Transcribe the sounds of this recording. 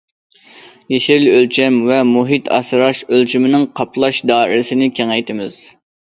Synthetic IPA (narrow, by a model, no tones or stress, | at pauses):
jeʃɪlølt͡ʃʰɛmvɛmuɦit̪ʰɑ̰sɨɾɑʃølt͡ʃʰimɪnɪŋqʰɑpʰlˠɑʃd̪ɑːḭɾɪsɪnɪkʲʰeŋɛjt̪ɪmɪz̥